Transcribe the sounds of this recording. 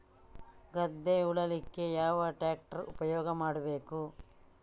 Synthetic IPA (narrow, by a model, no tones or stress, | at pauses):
ɡɐd̪ːeuɭɐlikːe̞jaːʋɐʈaːk̚ʈɐɾupɐjɔːɡɐmaːɽɐbe̞ːku